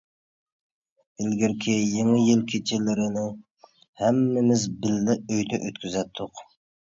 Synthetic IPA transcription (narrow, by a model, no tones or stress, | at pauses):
bɪlɡʲiɾkʲʰɪjeŋɨjɪlkʲʰet͡ʃʰɪlɪɾɪnɪ | hæmːɪmɪzbɪlːɪøjt̪ʰyʔøt̪kʲʰyzɛt̪ʰːʊq